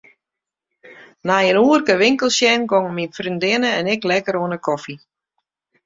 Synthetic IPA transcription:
najənuərkəʋɪŋkəlˠsjɛnɡoŋminfrindɪnəɛnɪklɛkəɾoənəkʰɔfi

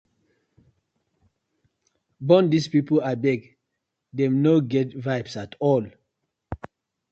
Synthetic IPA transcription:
bɔ̃ndispipəlabɛɡ | dɛ̃mnoɡɛtvabsatʰɔl

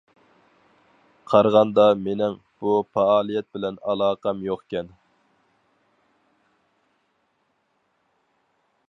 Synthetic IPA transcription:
qʰɑɾʁɑnd̪ɑmenɪŋ | b̥upɑɑːlˠijɛt̪̚bɪlɛnɑlˠɑːqʰɑmjoqkʲɛn

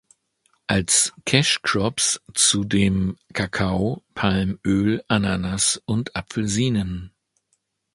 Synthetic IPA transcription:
ʔalskʰɛʃkʁ̥ɔpst͡sudeːmkʰakʰaʊpʰalmʔøːlʔananasʔʊntʔapfl̩ziːnən

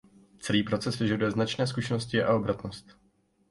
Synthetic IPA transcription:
t͡sɛliːpɾo̞t͡sɛsvɪʒadujɛznat͡ʃnɛːs̬kuʃɛnoscɪʔa̰o̞bɾat̪no̞st̪

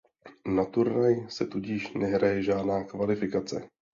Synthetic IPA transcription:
nat̪uɾnajsɛt̪uɟɪʃnɛɦɾajɛʒaːdnaːkvalɪfɪkat͡sɛ̰

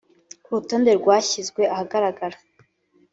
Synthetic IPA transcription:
kuɾuto̞ːnde̞ɾɡwaːçizɡwe̞ʔahaɡaɾaɡaɾa

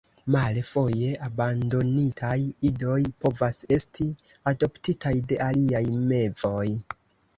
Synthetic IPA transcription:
malefo̞je̞ʔabando̞nitʰajido̞jpo̞vase̞stʰiado̞ptitʰajde̞ʔaliajme̞vo̞j

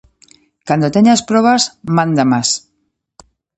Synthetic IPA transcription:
kand̪ot̪eɲaspɾoβazmãnd̪amas

